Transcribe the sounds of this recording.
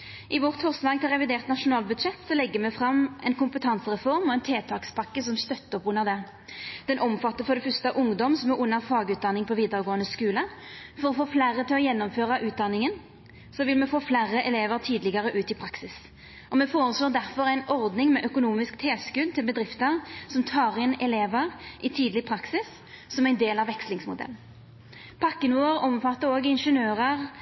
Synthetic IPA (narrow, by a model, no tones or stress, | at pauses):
ʔɪʋɔʁt̪fɔʁslɑːɡ̚t̪ɪlʁɛʋɪd̪eːʁt̪nɑʂʊnɑːlbʉd̪ʂɛt̪ːsɔlɛɡːəmɛfʁɑmːʔɛnkʊmpət̪ʰɑnsəʁɛfɔʁmɔɛnt̪ʰeːt̪ʰɑːkspʰɑkːəsɔmst̪œt̪ːəɔpʊnːəʁd̪ɛ | d̪̥ɛnʔɔmfɑt̪ːəfɔd̪ɛfʏst̪əʔʊŋd̪ɔmsɔmɛʁʊnːəʁfɑːɡʉːd̪ɑnɪŋpʰɔʋiːd̪əʁəɡoːənəskʉːləfɔɾɔfoːflæːʁət̪ɪlɔjɛnːɔmføːʁɑʔʉːt̪̚d̪ɑnːɪŋən | sɔʋɪlmɛfoːflæʁəʔɛleːʋəʁt̪ʰiːd̪lɪɡəʁəʔʉːt̪ɪpʰɾɑksɪs | ʔɔmɛfoːɾəsloːd̪æʁfɔʁæɪnɔʁd̪nɪŋmɛʔœkʊnuːmɪskt̪ʰeːskʉd̪̚t̪ʰɪlbəd̪ʁɪft̪əʁsɔmt̪ʰɑːʁɪnɛleːʋəʁʔɪt̪ʰiːd̪lɪpʰɾɑksɪsː | ɔmæɪnd̪eːlɑʋɛkslɪŋsmʊd̪ɛ̰ln | pʰɑkːənuːəʁɔmfɑt̪ːəɾoːɡɪnʂənøːʁəʁ